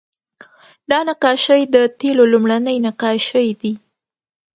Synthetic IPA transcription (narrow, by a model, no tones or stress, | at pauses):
d̪ɑnaqɑʃəjd̪ət̪elolumɽanəjnaqɑʃəjd̪i